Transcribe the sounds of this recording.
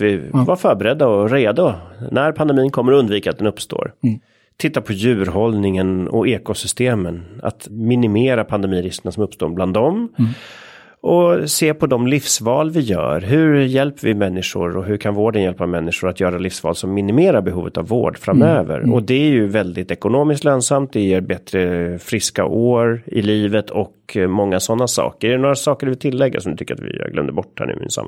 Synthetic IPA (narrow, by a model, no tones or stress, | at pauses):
vɪvaɾfœːɾbɛɾɛd̪ːaɔɾeːd̪ʊnæɾpʰand̪ɛmiːnkʰɔmːəɾɔɵnd̪viːka̰t̪d̪ɛnɵpːst̪o̰ːɾ | t̪ʰɪt̪ːapʰɔjʉ̟ːɾɦɔlnɪŋənɔ̰eːkʊsʏst̪eːməna̰t̪mɪnɪmeːɾapʰand̪ɛmiːɾɪskənasɔmɵpst̪o̰ːbland̪ɔm | ʔɔseːpʰɔd̪ɔmlɪfsvɑːlvɪjœ̰ːɾɦɵɾjɛlpvɪmɛnːɪʂʊ̰ɾɔɦɵɾkʰanvoːɖənjɛlpamɛnːɪʂʊɾat̪jœːɾalɪfsvɑ̰ːlsɔmːɪnɪmeːɾaɾbɛɦuːvət̪avːo̰ːɖfɾamøːvə̰ɾɔd̪ɛæɾjɵvɛld̪ɪt̪ɛkʊnoːmɪskt̪løːnsamt̪̚d̪ɛjeːɾbɛt̪ɾəfɾɪska̰ʔoːɾɪliːvət̪ʰɔkmɔŋːasɔnːasɑ̰ːkəɖɛɛnoːɾasɑːkəɾvɪlt̪ʰɪlːɛɡːa̰sɔmd̪ɵt̪ʏkːəɾa̰t̪vɪ̰ɡlœ̰mnd̪əbɔʈːhæ̰ːɳnʉ̰ːmɪ̰nsa̰mː